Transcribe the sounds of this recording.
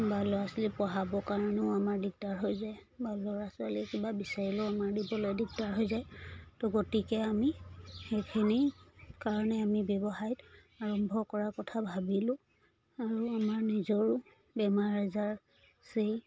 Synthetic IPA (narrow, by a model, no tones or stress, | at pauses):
balɔaslipɔɦabɔkaɹɔnɛʊamaɹdik̚taɹɦojzajbalɔɹasalikibabisaɹilʊamaɹdibɔlojdik̚taɹɦojzajtɔɡotikɛamixekʰinikaɹɔnɛamibjɔbɔhajt | aɹɔmbʱɔkɔɹakɔtʰabʱabilʊ̃ | aɹuamaɹnizɔɹ | bɛmaɹɛzaɹ | se